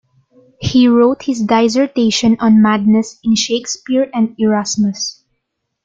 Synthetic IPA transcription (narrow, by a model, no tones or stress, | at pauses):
hiɹoʊt̪hɪsd̪aɪzɛɹt̪eɪʃɔ̃nɔ̃nmad̪̚nɛsɪ̃nʃeɪkspɪɹɛ̃nd̪̚ɛɹasmʊs